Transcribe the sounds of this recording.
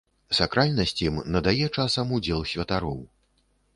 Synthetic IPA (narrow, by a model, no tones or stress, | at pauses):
sakɾalʲnɐsʲt͡sʲimnɐd̪ajɛt͡ʂasɐmud͡zʲɛlˠsʲvʲɐt̪aɾɔw